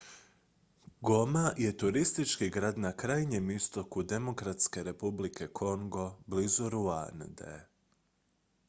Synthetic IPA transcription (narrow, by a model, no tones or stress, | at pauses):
ɡo̞maje̞t̪uɾist̪it͡ʃkiɡɾaːd̪nakɾaːjɲe̞mist̪o̞kud̪e̞mo̞kɾat̪ske̞ɾe̞publike̞kʰo̞ŋɡo̞blizuɾua̰nd̪ḛ